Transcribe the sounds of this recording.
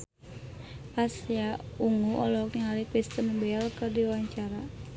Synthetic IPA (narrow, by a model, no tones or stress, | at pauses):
pasijauŋuʔɔlɔk̚naalikɾist̪ənbɛalkərdiwaɲt͡ʃaɾa